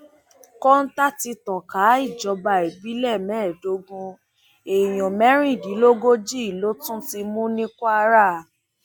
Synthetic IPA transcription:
kɔ˦n̩˦ta˦ti˧tɔ˨ka˨˦i˦˨d͡ʒɔ˨˧˦ba˧e˨bi˨˦lɛ˦˨mɛ̃ː˨˦˨do˨˦ɡũ˧ | e˨j̃ɔ̃˨mɛ˦ɾ̃ĩ˦˨di˨˦lo˦ɡo˦d͡ʒi˦i˦˨lo˨˦tũ˦ti˧mũ˦nĩ˦kɔ˦a˧ɾa˦˨

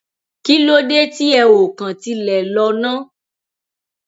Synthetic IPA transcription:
ki˦lo˦de˦ti˦ɛ˧wo˨kã˨ti˧lɛ˨lɔ˧nã˦

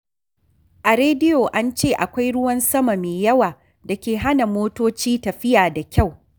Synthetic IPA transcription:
ʔa˨ɾeː˦dɪ˦joː˨ʔa˦nt͡ʃeː˦ʔa˨kʷa˦jɽʊ˦wɐ˦nsɐ˦ma˨meː˨jɐ˦waː˨ | da˨kʲeː˨ɦa˦na˨moː˦toː˦t͡ʃiː˦tɐ˨ɸɪ˦jaː˨da˨kʲa˦˨w

